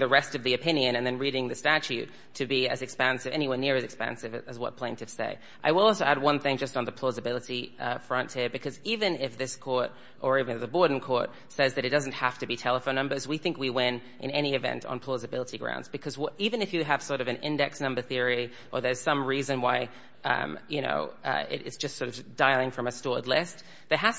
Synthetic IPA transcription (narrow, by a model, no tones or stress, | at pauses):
ðɨɹɛstʌvðiɨpʰɪ̃njɨ̃nɨ̃nðɨ̃nɹiɾɪ̃ŋðɨstæt͡ʃʉtʰɨbiɨ̰zɨkspæ̃nsɨvɛ̰ñiwʌ̃nːɪɹɨzɨkspæ̰̃nsɨvɨzwʌ̰t̚pʰl̥ẽɪ̃ntʰɨfsḛɪ | ʔaɪwəlˠɔlˠsoʊæd̚wʌ̃nθɪ̃ŋd͡ʒʌstn̩ðəpʰl̥ɔzɨbɪlˠəɾifɹʌ̃ntʰhɪɹbɨkʰʌzivɨ̃nɪfðɪskʰɔɹɾ | ʔə˞ivɨ̃nɨfðəbɔɹdⁿn̩kʰɔɹt̚ | sɛzðɨɾɨt̚d̥ʌzn̩t̚hæftɨbitʰɛlˠəfõʊ̃nʌ̃mbə˞zwiθɪ̃ŋkwiwɪ̃n | ʔɨ̰̃nɛɾ̃iɨvɛ̰̃ntn̩pʰl̥ɔzɨbɪlˠəɾiɡɹã̰ʊ̃ndz̥bɨkʰʌzwʌɾivɨ̃nɨfjɨːv̥sɔɹɾʌvɨ̃nɪ̰̃ndɛksnʌ̃mbə˞θɪɹi | ʔə˞ðə˞z̥sʌ̃mɹizɨ̃nwaɪ | ʌ̰̃mjɨño̰ʊʌ̰ɪ̰ɾɪ̰tsd̥ʒ̥ʌstsɔɹɾʌvd̥aɪlˠɪ̃ŋfɹʌ̃mɨstɔɹdˡlɪst̪ | ðə˞ɦæz